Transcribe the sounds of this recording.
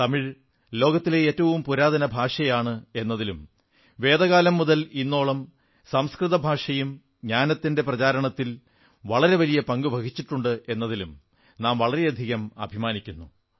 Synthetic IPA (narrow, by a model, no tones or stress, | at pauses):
t̪ɐmiɻ | lo̞ːɡɐt̪ːile̞eːtːɐʋumpuɾaːd̪ɐnɐbʱaːʂɐjaːɳɨe̞nːɐðilum | ʋe̞ːd̪ɐɣaːlɐmːuðɐlinːo̞ːɭɐm | sɐmskrɨðɐbʱaːʂɐjum | ɲaːnɐt̪ːinde̞prɐt͡ɕaːɾɐɳɐt̪ːil | ʋɐɭɐɾe̞ʋɐlijɐpɐŋɡubʱɐkʰit͡ɕːiʈːuɳɖɨe̞nːɐðilum | naːmʋɐɭɐɾe̞ɐd̪ʱiɣɐmɐ̰bʱimaːnikʲːunːu